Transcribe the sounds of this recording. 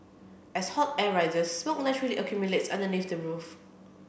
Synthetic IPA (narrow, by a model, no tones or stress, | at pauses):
ɛshɔtɛɹaɪdəsːmok̚nɛt͡ʃəɹəliʔəkʰjumjuletsãndəniθdəɹuf